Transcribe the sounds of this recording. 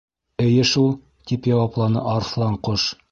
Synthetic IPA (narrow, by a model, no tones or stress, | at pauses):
ɘ̆jɘʃulˠ | t̪ipjɑwɑplˠɑnɤ̰ʔɑɾslˠɑɴqoʃ